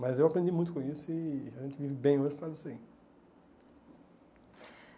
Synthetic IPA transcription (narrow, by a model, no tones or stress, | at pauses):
mɐzewapɾẽnd̪imũj̃t̪ʊkõisʊiaʒẽnt͡ʃɪvivɪbẽj̃oʒɪpɾad̪ʊseĩ